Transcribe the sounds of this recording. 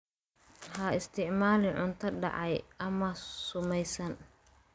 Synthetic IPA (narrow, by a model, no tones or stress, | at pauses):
hɐɪst̪ʰɪʕmaːlɪʕʊnt̪ʰɐɖɑ̰ʕɑjɐmɐsʊmɛjsɐn